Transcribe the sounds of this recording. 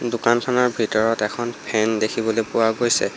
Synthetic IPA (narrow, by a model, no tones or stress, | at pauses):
dʊkankʰanɔɹbʱitɔɹɔtɛkʰɔnpʰɛndekʰibɔlojpʊwaɡojsɛ